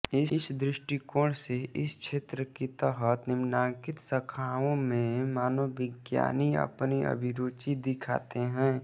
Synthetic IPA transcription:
ɪɪsd̪ɾɪʃʈikoːɽseʔɪskʃʰeːt̪ɾəkit̪əɦət̪nɪmnãːkɪt̪səkʰaːõmẽmaːnobɪɡja̰ːniə̰pniə̰bʱɪɾoːt͡ʃid̪ɪkʰa̰ːt̪eɦɛ̃ː

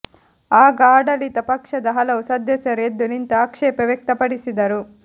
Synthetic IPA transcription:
aːɡaːɖɐlit̪ɐpɐkʂɐd̪ɐɦɐlɐusɐd̪ʱjɐt͡ʃɐɾeːd̪unint̪ɐːkʂɛːpɐʋjek̚t̪ɐpɐɽisid̪ɐɾu

